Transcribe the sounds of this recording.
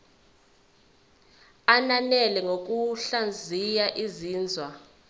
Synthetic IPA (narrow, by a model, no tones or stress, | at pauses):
ananɛlɛŋok̬uɬand͡zʱijaʔiziːnd͡zʱwa